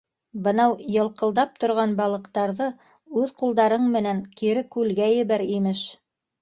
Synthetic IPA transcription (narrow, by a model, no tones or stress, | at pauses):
bɤ̆nɑwjɤ̆lˠqɤ̆lˠd̪ɑp̚t̪ŏɾʁɑnbɑlˠɤ̆qt̪ɑɾðɤ | ʉðqulˠd̪ɑɾɤɴmɘ̆næŋkiɾɘkʉlɡæjɘ̆βæɾimɘʃ